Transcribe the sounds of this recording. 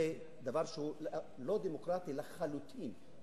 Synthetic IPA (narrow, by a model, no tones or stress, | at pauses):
e | d̪avaʁʃeu | lo̞d̪emokʁat̪ilaχalut̪ʰim